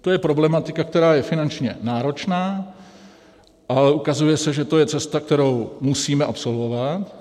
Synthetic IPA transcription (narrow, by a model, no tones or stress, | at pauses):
t̪o̞jɛpɾo̞blɛmat̪ɪkakt̪ɛɾaːjɛfɪnant͡ʃɲɛ̰naːɾo̞t͡ʃnaː | ʔalɛʔukazujɛsɛʒɛt̪o̞jɛt͡sɛst̪ak̚t̪ɛɾo̞wmusiːmɛʔapso̞lvo̞vat̪